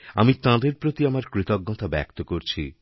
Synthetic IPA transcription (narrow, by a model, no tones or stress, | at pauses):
amit̪ãd̪eɾpɾot̪iamaɾkɾit̪ɔɡ̚ːɔt̪ʰabɛ̰kt̪okoɾt͡ɕʰḭ